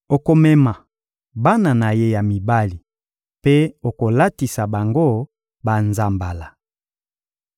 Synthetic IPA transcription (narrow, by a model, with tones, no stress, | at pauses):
o˨ko˨mɛ˦ma˨ | ba˦na˨na˨je˦ja˨mi˨ba˦li˨ | pe˦o˨ko˨la˦ti˨sa˨ba˨ŋɡo˦ | ba˨nza˨mba˨la˨